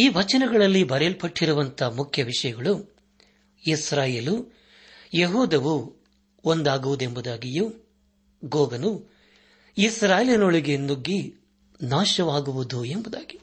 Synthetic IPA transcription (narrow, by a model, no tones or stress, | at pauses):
iːʋɐt͡ʃɐnɛɡɐɭɐlːibɐɾɛlpɐʈːiɾuʋɐnt̪ʰɐmukʰjɐʋiʂɐjɐɡɐɭu | isɾaːjeːlu | jeɦuːd̪ɐʋu | ond̪aːɡuʋud̪e̞mbud̪aːɡiju | ɡoːɡɐnu | isɾaːjelinoɭiɡe̞nuɡːi | naːʃɐʋaːɡuʋud̪uembud̪aːɡi